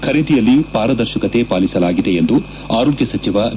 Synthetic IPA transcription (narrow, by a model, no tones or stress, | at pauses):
kʰɐɾid̪ijɐlːipaːɾɐd̪ɐɾʃɐkɐt̪e̞paːlisɐlaːɡid̪e̞ːnd̪u | aːɾulɡjɐsɐt͡ʃiʋɐ